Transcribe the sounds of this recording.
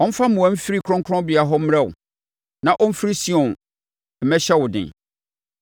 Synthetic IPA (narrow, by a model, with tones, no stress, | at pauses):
ɔ̃˦m̩˦fa˦mũ˨ã˦m̩˦fi˦ɾi˦kʰʊ˦ɔ̃˦ŋkʰɾɔ̃˦bi˨a˨ɦɔ˦m̩˦m̃˦ɾɛ̃˦˨ʊ̰˨ | nã˨ʔɔ̃˦m̩˦fɾi˦si˦ɔ̃˨n | m̩˦mɛ˦ɕɛ˦wʊ˨dɪ̰̃˨